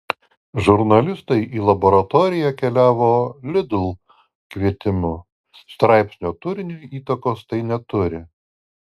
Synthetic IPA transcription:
ʒʊɾnɐlʲɪst̪ɐɪʔiːlˠɐbɔːɾɐt̪ɔːɾʲɪjækʲɛlʲæːʋoːlʲɪd̪ʲʊlˠ | kʲʋʲiɛt̪ʲɪmʊ | st̪ɾɑˑɪpʲsʲnʲoːt̪ʊɾʲɪnʲojiːt̪ɐkoːst̪ɐɪnʲɛt̪ʊɾʲɪ

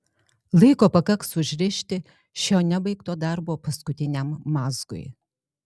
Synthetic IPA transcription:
lˠɐɪkoːpɐkɐksʊʒʲɾʲɪʃʲt̪ʲɪ | ʃʲoːnʲɛbɐɪkt̪oːd̪ɑɾboːpɐskʊt̪ʲɪnʲɛmːɑːzɡʊ̰ɪ

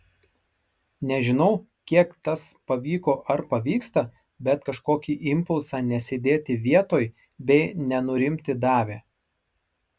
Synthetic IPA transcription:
nʲɛʒʲɪnɐʊ | kʲiɛkt̪ɐspɐʋʲiːkoːʔɐɾpɐʋʲiːkst̪ɐ | bʲɛt̪kɐʃkoːkʲiːʔɪmpʊlˠsɑːnʲɛsʲɪd̪ʲeːt̪ʲɪʋʲiɛt̪oːj | bʲɛɪnʲɛnʊɾʲɪmʲt̪ʲɪd̪ɑːʋʲeː

